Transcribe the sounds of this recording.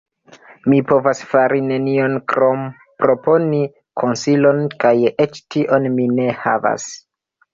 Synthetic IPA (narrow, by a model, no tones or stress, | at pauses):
mipo̞vasfaɾine̞nio̞nkɾom | pɾo̞po̞ni | kʰo̞nsilo̞nkajet͡ʃtiʔo̞nmine̞ha̰va̰s